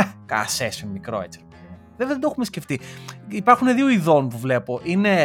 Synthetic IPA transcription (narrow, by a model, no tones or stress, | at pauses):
ka̰sesonmikɾoet͡si | veðd̪o̞xumesce̞ft̪iipɐɾxuneðioiðo̞npuvle̞po̞ʔine